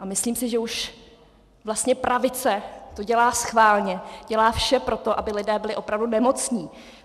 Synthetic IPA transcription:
ʔamɪsliːmsɪʒɛuʃ | vlast̪ɲɛpɾavɪt͡sɛt̪oɟɛlaːsxvaːlɲɛɟ̥ɛlaːfʃɛpɾo̞t̪o̞ʔabɪlɪdɛːbɪlɪʔo̞pɾavdunɛmo̞t͡sɲiː

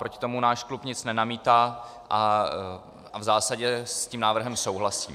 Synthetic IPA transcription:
pɾo̞cɪ̥t̪o̞munaːʃklupɲɪt͡snɛnamiːt̪aː | ʔa | avzaːsaɟɛsciːmnaːvr̩ɦɛmso̞wɦlasiː

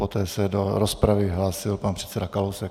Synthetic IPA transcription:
pot̪ɛːsɛdoɾospɾavɪɦlaːsɪlpanpr̥ɛt̪sɛdakalowsɛk

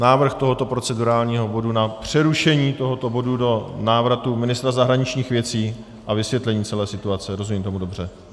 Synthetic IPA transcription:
naːvr̩xt̪o̞ɦo̞t̪o̞pɾo̞t͡sɛduɾaːlɲiːɦo̞bo̞dunapr̝̥ɛɾuʃɛɲiːt̪o̞ɦo̞t̪o̞bo̞dudo̞naːvɾat̪umɪnɪst̪ɾazaɦɾaɲɪt͡ʃɲiːxvjɛt͡siː | ʔavɪsvjɛt̪lɛɲiːt͡sɛlɛːsɪt̪uat͡sɛɾo̞zumiːmt̪o̞mudo̞br̝ɛ

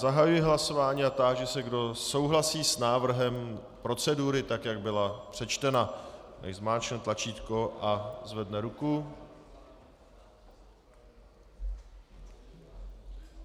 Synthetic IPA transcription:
zaɦajujɪɦlaso̞vaːɲiːat̪aʒɛsɛɡdo̞so̞wɦlasiːsnaːvr̩ɦɛm | pɾo̞t͡sɛduɾɪt̪akjaɡ̚bɪlapr̥ɛt͡ʃt̪ɛnana̰jzmaːt͡ʃnɛt̪lat͡ʃiːt̪ko̞ʔazvɛdnɛɾuku

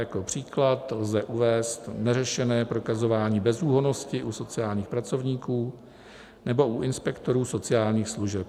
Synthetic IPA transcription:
jako̞pr̝̥iːklat̪lzɛʔuvɛːst̪nɛrɛʃɛnɛːpɾo̞kazo̞vaːɲiːbɛzuːɦonoscɪʔuso̞t͡sɪjaːlɲiːxpɾat͡so̞vɲiːkuː | nɛbo̞ʔuʔɪnspɛkt̪o̞ɾuːso̞t͡sɪjaːlɲiːxsluʒɛp̚

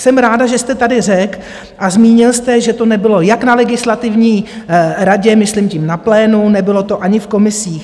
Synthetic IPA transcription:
sɛmɾaːdaʒɛst̪ɛt̪adɪr̝ɛk | ʔazmiːɲɪlst̪ɛʒɛt̪o̞nɛbɪlo̞jaknalɛɡɪslat̪ɪvɲiːɾaɟɛmɪslimcɪmnaplɛːnunɛbɪlo̞t̪o̞ʔaɲɪfko̞mɪsiːx

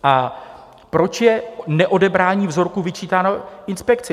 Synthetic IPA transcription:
ʔa | pɾo̞t͡ʃjɛnɛʔo̞dɛbɾaːɲiːvzo̞ɾkuvɪt͡ʃiːt̪aːnoʔɪnspɛkt͡sɪ

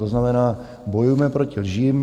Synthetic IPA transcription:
oznamɛnaː | bɔjujmɛpɾocilʒiːm

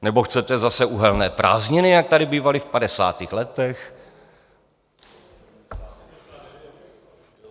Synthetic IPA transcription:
nɛboxt͡sɛt̪ɛzasɛʔuːɦɛlnɛːpɾʔa̰ːzɲɪnɪjak̚t̪adɪbiːvalɪfpadɛsa̰ːt̪iːxlɛt̪ɛx

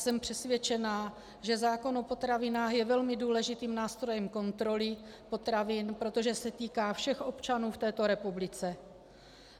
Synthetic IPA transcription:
sɛmpr̥ɛsvjɛt͡ʃɛnaː | ʒɛzaːko̞nopo̞t̪ɾavɪnaːxjɛvɛlmɪduːlɛʒɪt̪iːmnaːst̪ɾo̞jɛmko̞nt̪ɾo̞lɪpo̞t̪ɾavɪnpɾo̞t̪o̞ʒɛsɛt̪iːkaːfʃɛxʔo̞pt͡ʃanuːft̪ɛːt̪o̞ɾɛpublɪt͡sɛ

